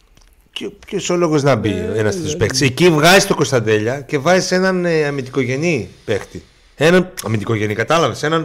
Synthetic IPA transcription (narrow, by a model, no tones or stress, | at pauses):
copçosolo̞ɣo̞znɐbienɐst̪et̪o̥spext̪i̥secivɣɐzist̪o̞ko̞st̪ɐnd̪e̞ʎɐce̞vɐzise̞nɐnɐmind̪iko̞ʝe̞nipe̞xt̪i | e̞nɐnɐmind̪iko̞ʝe̞nikɐt̪ɐlɐvese̞nɐn